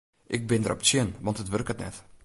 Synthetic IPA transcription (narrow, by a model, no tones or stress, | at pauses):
ʔɪk̚bɪndərʔɔ̰pt͡siənʋɑntətʋørkətnɛ̰t